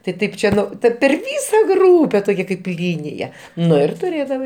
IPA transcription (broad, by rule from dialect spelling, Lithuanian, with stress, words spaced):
tɐɪ ˈtɐɪp ˈt͡ʃʲɛ ˈtɐ pʲɛr ˈʋʲiːsɐ ˈɡruːpʲɛ toːˈkʲɛ kɐɪp ˈlʲiːnʲɪjɛ ˈnʊ ɪr tʊˈrʲeːdɐʋɐɪ